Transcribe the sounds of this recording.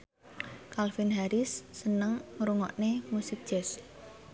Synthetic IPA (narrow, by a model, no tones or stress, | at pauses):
kalfinɦaɾɪsːənəŋŋɾuŋɔ̰ʔnemusɪk̚d̥ʒ̥ɛs